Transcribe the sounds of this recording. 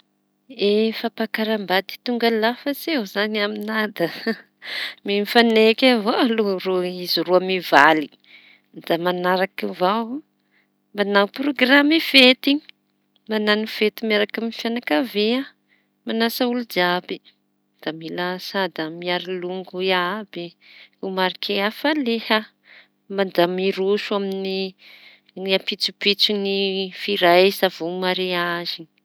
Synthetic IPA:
efapakaɾambad̪i̥t̪uŋɡalafəsewzanaminad̪ə | mimfanekavoaloɾoiziruamivali | d̪̥amanaɾakivaw | mbanawproɡramiv̥et̪ii | mananiv̥et̪imaɾakamifjanakavea | manasaulud͡ʒabi | d̪̥amilasad̪əmiaɾiluŋɡuabiumaɾikʰeafaleha | mand̪amiɾuʃuamini | apit͡supit͡sinifiɾajsav̥umaɾiazin

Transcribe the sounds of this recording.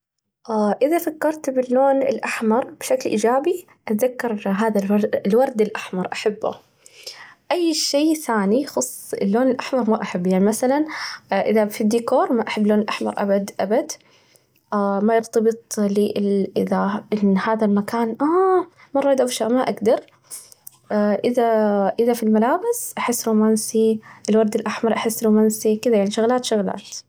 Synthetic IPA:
ʔaʔɪðafakːɑɾˤt̪bɪlːoːnɪ̰lʔaħmɑɾˤb̥ʃaklʔḭːd͡ʒaːbi | ʔat̪ðakːɑɾˤɦaːðalwlwɑɾˤd̪ɪlʔaħmɑɾˤʔaħabːa̰ | ʔajːʃeːθaːnixʊsˤːɪlːoːnɪlʔaħmɑɾˤmaʔaħabːjaʕnimaθalanʔɪðafid̪ːiːkoːɾˤmaʔaħabːloːnɪlʔaħmɑ̰ɾˤʔa̰bad̪ʔabad̪ | amajɪɾt̪ɑbɨt̪ˤliʔɪʔɪðaʔɪnhaːðalmakaːnʔa | mɑrˤːɑʔɪd̪ʔawʃaʔmaʔaɡd̪ɑɾˤ | ʔɪðaʔɪðafilmalaːbɪsʔaħɪsːɾuːmansiʔɪlwɑɾˤd̪ɪlʔaħmɑɾˤʔaħɪsːɾuːmaːnsikɪd̪ajaʕniʃʊɣlaːt̪ʃʊɣla̰ːt̪

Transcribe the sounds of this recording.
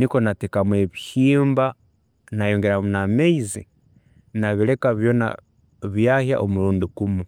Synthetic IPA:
niko̞natekamwe̞βihiːmba | najoːŋɡeɾamunameizi | naβiɾe̞kaβjo̞na̰ | βjahja̰ʔomuɾuːndukumu

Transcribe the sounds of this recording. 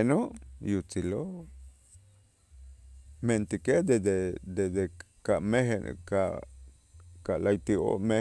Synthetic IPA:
noʔjut͡silo | ment̪iked̪ed̪ed̪ed̪e | kaʔmeɦen̰kaʔ | kalajt̪io̰me

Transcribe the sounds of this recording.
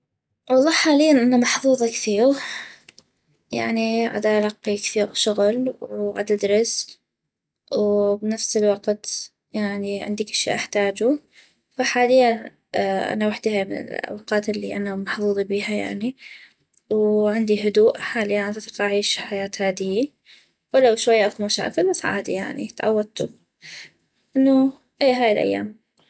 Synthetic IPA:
wɑlˤːɑːħħaːlɪjːanʔɪnːamɑħfuːðˤɑkθiːɣ | ja̰ʕniʕa̰d̪ʔalɑqːikθiːɣʃʊɣlwʕa̰d̪ʔad̪ɾˤɑs | wbɪnafsɪlwɑɡt̪ | jaʕniʕɪ̰nd̪ikɪʃːḭːʔaħt̪aːd͡ʒu | faħaːlɪjːan | ʔa̰nawaħd̪ihamɪnɪ̰la̰waqɑːt̪ɪlːiʔanamaħfuːðˤibiːhaja̰ʕni | wʕɪnd̪iɦʊd̪uːʔħaːlɪjːanʔat̪at̪qʔaʕiːʃħajaːt̪haːd̪ɪjːi | walːawʃwajːaʔakumaʃa̰ːʔfɪlmasʕa̰ːd̪ija̰ʕnḭt̪ʕa̰wːad̪̚t̪u | ʔɪnːʊ | ʔeːɦaːjɪlʔa̰jːa̰ːm

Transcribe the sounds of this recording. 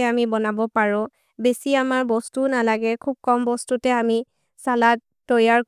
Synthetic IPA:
amibɔnabɔpaɹʊ̃ | besiamaɹbɔstunalaɡɛkʰub̚kɔmbɔstutɛami | salat | tːɔjaɹ

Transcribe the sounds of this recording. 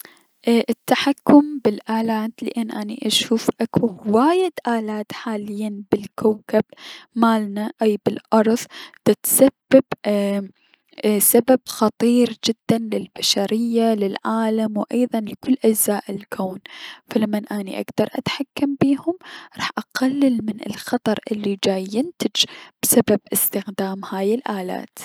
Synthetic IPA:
ʔʔɪt̪ːaħakːʊmbɪlʔaːlaːd̪lɪ̰ʔanːʔanḭʔaʃuːfʔakuwaːjɪd̪ʔaːlaːt̪ħaːlɪjːanbɪlkawkabmaːlnaʔawbɪlʔɑɾˤðˤt̪ɪt̪sabːab̥ | sababxɑt̪ˤiːɾd͡ʒɪd̪̥ːanlɪlbaʃaɾɪjːalɪlʕaːlamwʔɑjðˤɑnlɪkʊlːʔad͡ʒzaːʔɪlkʰoːnfalamːanʔaniʔa̰ɡd̪ɑɾˤʔa̰t̪ħakːambiːhʊmɾˤɑːħʔaqalːɪlmɪnɪ̰lxɑt̪ˤɑɾˤʔɪlːid͡ʒaːjːɪnt̪ɪd͡ʒb̥sababʔɪst̪ɪxd̪aːmhaːjɪlʔaːla̰ːt̪

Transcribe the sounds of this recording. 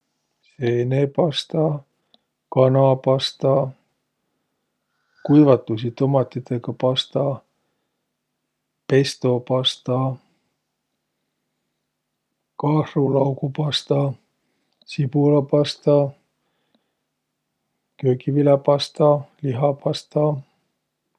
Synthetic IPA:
senepɑst̪ɑ | kɑnɑpɑst̪ɑ | kujvɑt̪ːˑus̬ʲit̪o̞mɑt̪ːˑit̪eɡɑpɑst̪ɑ | pe̞st̪o̞pɑst̪ɑ | kɑrulɑwkupɑst̪ɑ | sipulɑpɑst̪ɑ | køːkivilɑpɑst̪ɑliɦɑpɑst̪ɑ

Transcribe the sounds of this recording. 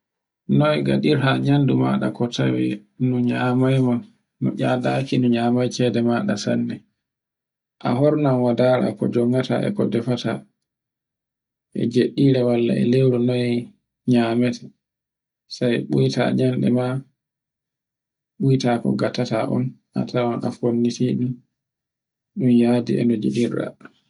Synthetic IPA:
nɔjɡa̰ɗiɾhaɲanduma̰ɗakɔtʰawɛ̰nuɲamajmanː | ɔ̰ʔadakinuɲaːmajt͡ʃɛdɛmaːɗasa̰nːɛ | ʔa̰ɦɔɾnanwadaːɾa̰kɔd͡ʒɔŋɡata̰ʔɛ̰kɔdɛfata | ʔɛ̰d͡ʒeɗːiɾɛwalːa̰ɛ̰lewɾɔnɔɛ | ɲaːmɛtʰɛ̥ | sajɓujta̰ɲanɗɛ̰ma | ɓujtakɔ̰ɡatataʔɔ̰nʔa̰tʰawanʔa̰fonːitiɗum | ɗunjaːdḭɛ̰nɔd͡ʒeɗirːa̰

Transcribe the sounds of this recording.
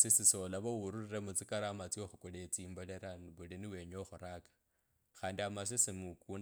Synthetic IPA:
sisisolaβowuɾuriremut͡sikaɾaːmat͡sioxukolet͡siːmboleɾaβuliniwe̞ɲoxuɾakḁ | xaːndiamas̬isimukun

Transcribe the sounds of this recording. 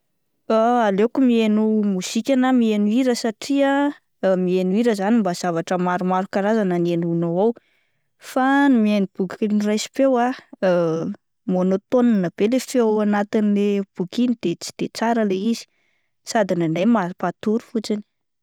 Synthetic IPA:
aalekumienumusikʲanamienuiɾəsaʈ͡ʂia | mienuiɾəzanimbaz̥avaʈ͡ʂəmaɾumaɾukaɾazananenunoaw | fanumienib̥ukinirajsi̥pewa | monot̪onanab̥elefeawanat̪inileb̥ukinid̪̥et͡si̥d̪̥et͡saɾəleizi̥ | sad̪inanejmapat̪uɾu̥fut͡sini̥

